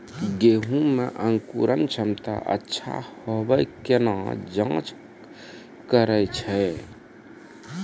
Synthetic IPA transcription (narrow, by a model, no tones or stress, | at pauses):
ɡeɦũmeʔəŋkṵɾənt͡ʃʰəmt̪a̰ʔə̰tːʃʰa̰hobəjkenad͡ʒãt͡ʃ | kəɾəjt͡ʃʰɛ